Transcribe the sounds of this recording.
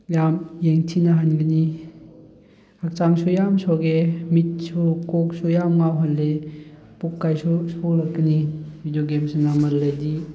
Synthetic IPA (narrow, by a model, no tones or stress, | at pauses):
jamjeŋtʰinaɦanɡini | hak̚t͡ʃaŋsujamsɔɡemit̚sukɔk̚sujamŋawɦanle | pukːajsusolɐkɡənibʱidjoɡemsunamɐllejdi